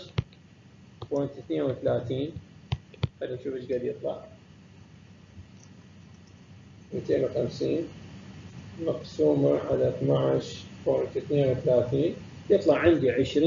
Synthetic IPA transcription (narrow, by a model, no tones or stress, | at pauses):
font̪iθneːnwθalaːt̪iːn | xad̪inʃuːfət͡ʃɡad̪jɨt̪ˤlɑ̰ʕ | miːt̪eːnwxamsiːn | mɑqsuːmaʕalaθnaʕʃfont̪iθneːnwθalaːt̪iːn | jɨt̪ˤlɑʕːɪnd̪iʕəʃɾiː